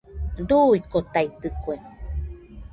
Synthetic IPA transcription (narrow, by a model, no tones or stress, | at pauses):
d̪uikot̪ajt̪ɨkwe